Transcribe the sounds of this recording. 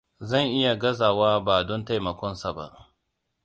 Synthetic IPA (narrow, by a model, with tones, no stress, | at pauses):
zɐ˦˨ŋʔɪ˦ja˨ɡɐ˦zaː˨waː˦baː˨dɔ˦nta˦jmɐ˨kʷɔ˦nsa˨ba̰˦ʔ